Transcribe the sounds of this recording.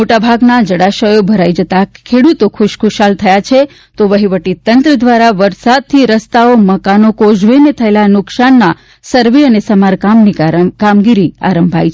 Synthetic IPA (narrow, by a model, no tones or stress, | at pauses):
moʈabʱaɡnad͡ʒəɽaʃəjobʱəɾaid͡ʒət̪akʰeɽut̪okʰʊʃkʰʊʃalt̪ʰəjat͡ʃʰe | t̪oʋəɦiʋəʈit̪ənt̪ɾəd̪ʋaɾaʋəɾsad̪̚t̪ʰiɾəst̪aoməkanokod͡ʒʋenet̪ʰəelanʊksanːa | səɾʋeənesəmaɾkamnikamɡiɾia̰ɾəmbʱa̰jt͡ʃʰ